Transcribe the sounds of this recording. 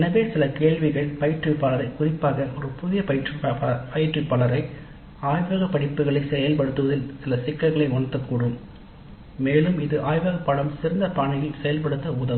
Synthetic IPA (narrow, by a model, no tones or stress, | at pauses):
ɛnɐʋeːsɪlɐkeːɭʋɪɣɐɭpɐɪɪʈrɯpːaːlɐɾɐɪkʊrɪpːaːɣɐɔɾɯpʊðɪjɐpɐjɪʈrɯppɐjɪʈrɯpːɐɭɐɾɐɪ | aːjʋɐɣɐpːɐɽɪpːɯɣɐɭɐɪsɛjɐlpɐɽɯt̪ːɯʋɐðɪlsɪlɐsɪkːɐɣɐɭɐɪɔɳɐt̪ːɐkːuːɽɯm | meːlɯmɪðɯʔaːjʋɐɣɐpːɐɭɐmsɪɾɐnd̪ɐpaːɳɐjɪlsɛjɐlpɐɽɯt̪ːɐʊðɐm